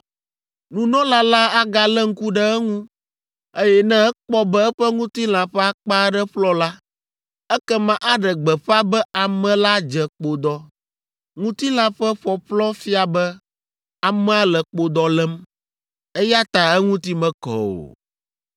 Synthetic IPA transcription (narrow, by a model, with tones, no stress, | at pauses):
nũ˨nɔ̃˦la˦la˦a˦ɡa˨lɛ˦ŋ̩˦ku˦ɖɛ˦ɛ˦ŋũ˦ | e˦jɛ˦nɛ̃˦ɛ˦k͡pɔ˦bɛ˦ɛ˦ɸɛ˦ŋũ˦t̪i˦l̃ã˨ɸɛ˦a˦k͡pa˦ɖɛ˦ɸlɔ˦la˦ | ɛ˦kɛ˦mã˦ʔa˦ɖɛ˨ɡ͡bɛ˨ɸa˦bɛ˦a˨mɛ̃˦la˦d͡ʒɛ˨k͡po˦d̪ɔ˦ | ŋũ˦t̪i˦lã˦ɸɛ˦ɸɔ˨ɸlɔ˦fi˦a˨bɛ˦ | a˨mɛ̃˦a˦lɛ˨k͡po˦d̪ɔ˦lɛ˦m | ɛ˦ja˦t̪a˨ɛ˦ŋũ˦t̪i˦mɛ̃˨kɔ̰˨o̰˨